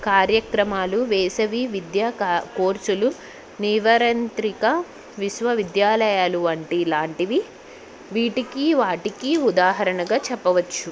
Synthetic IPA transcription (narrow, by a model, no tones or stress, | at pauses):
kaːɾjɐkɾɐmaːluʋɛːsɐʋiʋid̪jaːkoːɾt͡ʃulu | niʋɐɾɐnt̪ɾikɐ | ʋiʃʋɐʋid̪jaːlɐjaːluɐɳʈilaːɳʈiʋi | ʋiːʈikiʋaːʈikiud̪aːɦɐɾɐɳɐɡaːt͡ʃɛpːɐʋɐt͡ʃːu